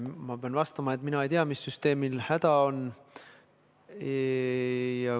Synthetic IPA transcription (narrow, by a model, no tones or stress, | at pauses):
mɑpeɑnvɑst̪ɑmɑe̞t̪ːˑminɑejt̪eɑmisːyst̪e̞ːmilhæd̪̥ɑo̞n | jɑ